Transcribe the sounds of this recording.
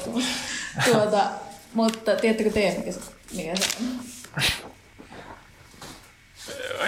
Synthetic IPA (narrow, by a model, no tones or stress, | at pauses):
t̪u | uot̪ɑmut̪ːɑt̪iet̪ːøkøt̪eiæmmikæsmikæsḛ